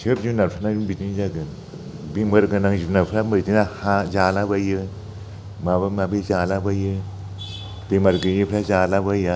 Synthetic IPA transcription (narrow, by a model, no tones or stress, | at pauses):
t͡ʃʰɯpd͡ʒinaɾpʰanaibitizaɡɯn | bimɯɾɡɯnaŋzinapʰɾamɯtinahazalabajɯ | mabɯmabizalabajɯ | bemaɾɡɯjipʰɾazalabaja